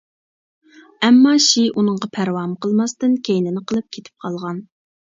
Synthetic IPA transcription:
ɛmːɑʃiʔunəŋʁɑpʰæɾwɑmqəlˠmɑst̪ɨnkʲʰejnɪnɪqʰəlˠɨp̚kʲʰet̪ʰɪ̥p̚qʰɑlˠʁɑn

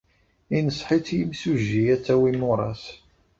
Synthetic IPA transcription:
inəsˤħit͡sːjimsuʒːiæt͡sːæwimʊɾˤɑ̰s

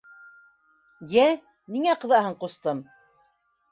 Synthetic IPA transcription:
jæ | niŋæqɤ̆ðɑɦɤɴqŏst̪ɤm

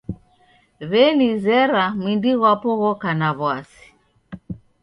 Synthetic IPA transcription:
βɛnizɛɾamwindiɣwapɔɣɔkanaβwasi̥

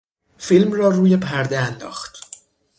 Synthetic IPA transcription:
filmrɒːruːje̞pʰæɾd̪eænd̪ɒ̰ːxt̪

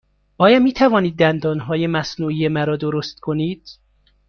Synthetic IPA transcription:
ʔɒːjɒːmiːt̪ʰævɒːniːd̪̚ːænd̪ɒːnɦɒːjemæsnuːijemæɾɒːd̪oɾost̪kʰoniːd̪̥

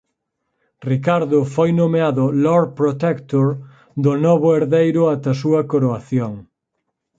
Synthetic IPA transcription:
rikaɾðʊfojnomeaðʊloɾpɾot̪ekt̪oɾ | d̪ʊnɔβʊeɾðejɾʊat̪ɐsuɐkoɾoaθjoŋ

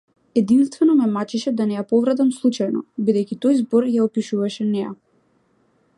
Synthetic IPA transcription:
ɛd̪inst̪vɛnɔmɛmat͡ʃɛʃɛd̪anɛjapɔvɾat̪amslˠut͡ʃajnɔbid̪ɛjcʲit̪ɔjzbɔɾjaɔpiʃuvaʃɛnɛja̰

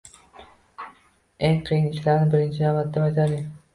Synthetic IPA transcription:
eŋqʰijɪnɪʃlaɾnɪbɪɾɪnt͡ʃʰɪnamat̪d̪ːamat̪ʰali

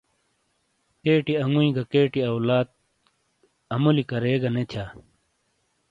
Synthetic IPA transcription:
keːʈiɐŋɡuĩɡɐkeːʈiɐwlaːt̪̚ | ɐmulikɐɾeːɡɐnet͡ɕ̪ʰaː

